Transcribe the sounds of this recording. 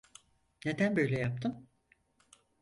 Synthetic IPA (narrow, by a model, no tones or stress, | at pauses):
ned̪ænbø̞jlʲɛjap̚t̪ʰɯm